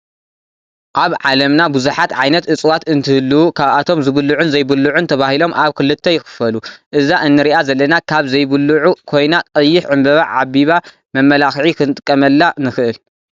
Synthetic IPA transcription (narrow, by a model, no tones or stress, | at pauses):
ʔaβʕalɐmnabuzuħat̪ʕajnɐt̪ɨt͡sʼwat̪ɨnt̪ʰɨhɨlːuukʰaβat̪ʰo̞mzɨβɨlːuʕunzɐjbɨlːuʕunt̪ʰɐβahilo̞mʔaβkɨlɨt̪ʰːɐjxɨ̥fɐluʔɨzaʔɨnːɨɾiʔazɐlːɐnakʰaβzɐjbɨlːuʕukʰo̞jnat̪ʼɐjːɪħʕɨmbɐβa̰ʕaβiβa | mɐmːɐlaxʕikʰɨnɨt̪ʼɨ̥kʼːɐmɐlːanɨxɨʔɨl